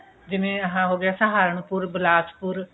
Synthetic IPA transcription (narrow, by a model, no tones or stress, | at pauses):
d͡ʒɪʋẽːəɦãːɦoːɡɪaːsəɦaːɾəɳpʊɾbɪlaːt͡ʃpʊɾ